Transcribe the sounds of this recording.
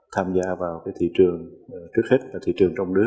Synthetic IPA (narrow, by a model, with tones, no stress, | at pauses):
t̪ʰaː˧mzaː˧vaː˨˩wkaː˨˦jt̪ʰḭ˧˨t͡ɕɨ˨˩əŋt͡ɕɨ˦˥k̚he˦˥t̚vaː˨˩t̪ʰḭ˧˨t͡ɕɨ˨˩əŋt͡ɕɔ˧wŋ͡mnɨ˦˥ək̚